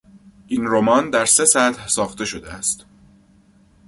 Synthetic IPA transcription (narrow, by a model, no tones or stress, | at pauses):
ʔiːnɾo̞mɒːnd̪æɾse̞sæt̪hsɒːxt̪e̞ʃo̞d̪eæst̪